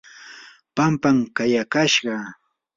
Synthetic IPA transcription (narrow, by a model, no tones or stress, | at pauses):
pampamkajakaʃɢɑ